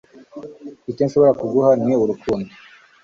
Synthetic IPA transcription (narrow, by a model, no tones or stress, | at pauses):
itenʃoβo̞ɾakuɡuhanŋeuɾukʰuːndo